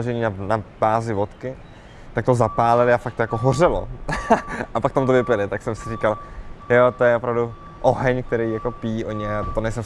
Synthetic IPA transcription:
oʒɛɲiːnanab̥aːzɪvo̞t̪kɪ | t̪akt̪ozapaːlɛlɪafakt̪ojako̞ɦor̝ɛlo̰ | ʔapakt̪amt̪ovɪpjɛlɪt̪aksɛmsɪriːkaljot̪ojɛopɾavdu | ʔoɦɛɲk̚t̪ɛɾijjako̞piːʔoɲɛat̪onɛjsɛm

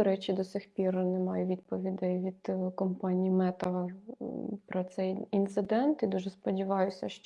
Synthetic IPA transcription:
ɾɛt͡ʃid̪ɔsʲixpʲirnɛmɑjʊʋʲid̪̚pɔʋʲid̪ɪʋʲid̪̥kɔmpɑnʲijimɛt̪ɐ | pɾɔt̪sɛjint̪sɪd̪ɛnt̪id̪uʒɛspɔdʲiʋɑjʊsʲɐʃt͡ʃ

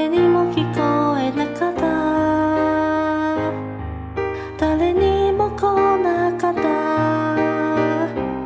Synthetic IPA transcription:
enimokikoɛnakat̪a | t̪alɛnimokɔnakat̪a

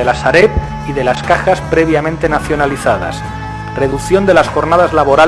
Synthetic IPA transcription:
elasaɾep | iðe̞laskaxaspɾe̞β̞jamẽnt̪e̞naθjo̞naliθað̞a̰s | reðukθjo̞nd̪e̞lasxo̞ɾnað̞azlaβo̞ɾa

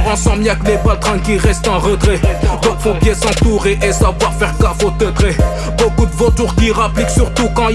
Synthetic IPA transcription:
ɑ̃sɑ̃maklebat̪χɛ̃kʲiʁɛst̪ɑ̃ʁət̪χɛd̪õt̪χɔ̃pjɛsɑ̃t̪uʁeʔesavwaʁfɛʁkafot̪ət̪χe | bokud̪əvot̪uʁkʲiʁapliksyʁt̪ukɑ̃

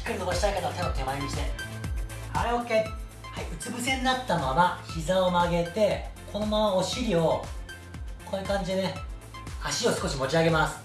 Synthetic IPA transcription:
i̥kɯɾinoboɕit̪aikat̪aot̪at̪ʰe̞maɾʲiɲʲiɕi̥t̪e̞̰ | a̰ɾeokːe̞ | haiʔɯ̟t͡sɨbɯ̟s̬ẽ̞n̟inat̪ːamamaçizao̞maɡe̞t̪e̞kʰo̞no̞mamao̞ɕiɾʲio̞ | ko̞nekãɲ̟d͡ʑid̪ene | aɕio̞sɨ̥ko̞ɕimo̞t͡ɕiaɡe̞masɨ̥

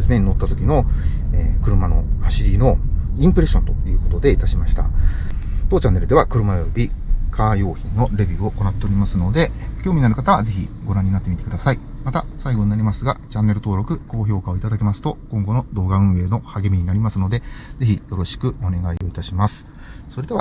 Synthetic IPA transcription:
esɨme̞ɲ̟ino̞t̪ːat̪o̞kʲino̞ | eːkɯ̟ɾɯ̟mano̞̰haɕiɾʲino̞ĩmpɯ̟ɾe̞ɕont̪o̞jɯ̟ːko̞t̪o̞d̪e̞it̪aɕimaɕi̥t̪a̰ | t̪o̞ːt͡ɕanːe̞ɾɯd̪e̞βakɯ̟ɾɯ̟maobʲikʰaːjo̞ːçĩnno̞ɾe̞bʲiːo̞ko̞nat̪ːe̞o̞ɾʲimasɨno̞d̪e̞kʲoːmʲinaɾɯ̟kat̪aβaze̞çḭɡo̞ɾãɲ̟ːinat̪ːemʲit̪e̞kɯd̪asaimat̪asaiɡo̞ɲnaɾʲimasɨɡat͡ɕãnːe̞ɾɯ̟t̪o̞ːɾo̞kɯ̟ko̞ːçʲo̞ːkao̞it̪ad̪akʲe̞masɨ̥t̪o̞kõ̞ŋɡo̞no̞d̪o̞ːɡaɯ̟̃ɰ̃e̞ːno̞haɡe̞mʲiɲ̟inaɾʲimasɨno̞d̪e̞d͡ze̞çijo̞ɾo̞ɕi̥kɯ̟o̞ne̞ɡaio̞it̪aɕimasɨ̥ | so̞ɾe̞d̪e̞a̰

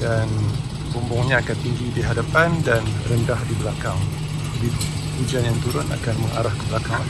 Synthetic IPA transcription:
dan | bɔmbɔŋɲãakant̪iŋɡidiɦadapandanrəndahdibəlakaŋ | di | ud͡ʒanjaŋt̪uɾʊna̰kanməŋaɾahkəbəlakaŋ

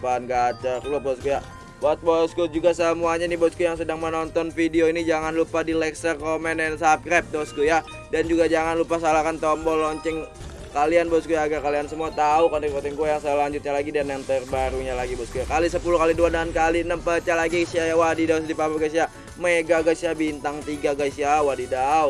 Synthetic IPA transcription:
panɡaːt͡ʃərabɔsɡuja | bat̪̚boskud͡ʒuɡasəmuaɲaniboskujaŋsədaŋmənɔnt̪ɔnfidioinid͡ʒaŋanlupadilɛksərkomɛnɛnsap̚kɾap̚dɔskuja | dand͡ʒuɡad͡ʒaŋanlupasalakant̪ɔmbɔlɔɲt͡ʃɪŋ | kalianbosɡujaɡakaliansəmuat̪aukanikot̪ɪŋɡuajaŋsəlaɲd͡ʒut̪̚ɲalaɡidanjaŋt̪ərbaɾuɲalaɡibɔsɡujakalisəpulukaliduadaankaliənəmpət͡ʃalaɡisiajawadidaʊs̬dipabaɡas̬ia | meɡaɡasiabint̪aŋt̪iɡaɡasiawadidaʊt̪̚

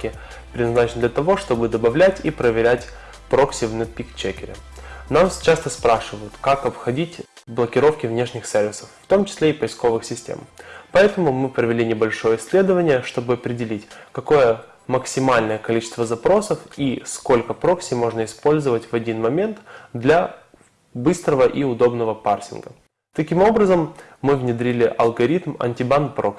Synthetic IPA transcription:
kʲɪ | pɾʲɪd̪nɐznat͡ɕɪnəd̪lʲət̪ɐvo̞ʂt̪o̞bɨd̪əbɐvlʲætʲipɾəvʲɪɾʲætʲ | pɾo̞ksʲɪvnɛt̪̚pʲikt͡ɕekʲɪɾʲɪ̰namt͡ɕast̪əspɾaʂɨvəjʊt̪kakɐpxɐdʲitʲblˠəkʲɪɾo̞fkʲɪvnʲe̞ʂnʲɪxsʲervʲɪsə̥fːt̪o̞mt͡ɕɪ̥sʲlʲeɪpəjsko̞vɨxsʲɪsʲtʲḛmpɐɛt̪əmʊmɨpɾəvʲɪlʲinʲɪbɐlʲʂo̞jəɪsʲlʲe̞d̪əvənʲɪjəʂt̪o̞bɨɐpɾʲɪdʲɪlʲitʲkɐko̞jə | məksʲɪmalʲnəjəkɐlʲit͡ɕɪ̥st̪vəzɐpɾo̞səfisko̞lʲkəpɾo̞ksʲɪmo̞ʐnəɪspo̞lʲzəvətʲvɐdʲinmɐmʲe̞nt̪d̪lʲɐ | bɨst̪ɾəvəʔiʊd̪o̞bnəvəparsʲɪ̰nɡə̰ | t̪ɐkʲimo̞bɾəzəmːɨvnʲɪd̪ɾʲilʲɪʔɐ̰lˠɡɐɾʲit̪mɐ̰nʲtʲɪbanpɾok

